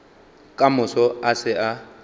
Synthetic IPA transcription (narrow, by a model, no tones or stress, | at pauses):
kʼamʊsɔasɪa